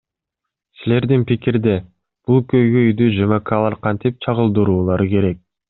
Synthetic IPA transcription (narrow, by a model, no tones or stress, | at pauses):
sile̞ɾd̪inpikiɾd̪e̞ | b̥ulˠkøjɡøjd̪yd͡ʒɑmɑkɑlˠɑɾqʰɑnt̪ip̚t͡ʃʰɑʁɯlˠd̪ɯɾuːlˠɑɾɯke̞ɾe̞k̚